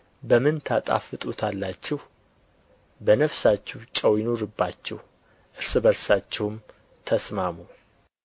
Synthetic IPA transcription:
bəmɨnt̪ʰat̪ʼa̰fɨt̪ʼut̪ʰalːat͡ʃːɛh | bənəfsat͡ʃːɛwt͡ʃʼəwjɪno̞ɾɨbːat͡ʃːɛh | ʔɨɾsɨbəɾsat͡ʃːɛwm | t̪ʰəsmamu

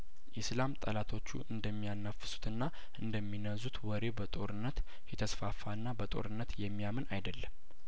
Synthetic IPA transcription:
ʔislamt̪ʼəlat̪ʰo̞t͡ʃːṵʔɨnd̪əmːijanːəfːɨ̥su̥t̪ʰɨnːa | ʔɨnd̪əmːinəzut̪wɔɾe̞bət̪ʼo̞̰ɾɨnːət̪ | jɛt̪ʰəsfafːanːabət̪ʼo̞̰ɾɨnːət̪jɛmːijamɨnʔajd̪əlːəm

